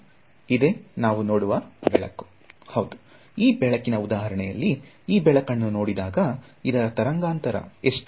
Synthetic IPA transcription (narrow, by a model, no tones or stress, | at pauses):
id̪e̞ːnaːʋuno̞ːɽuʋɐbɛɭɐ̰kːu̥ | hɐwd̪u̥ | iːbɛɭɐkːinɐud̪aːɦɐɾɐɳɛjɐlːi | iːbɛɭɐkɐnːuno̞ːɽid̪aːɡɐid̪ɐɾɐt̪ɐɾɐŋɡaːnt̪ɐɾɐ̰eʂʈ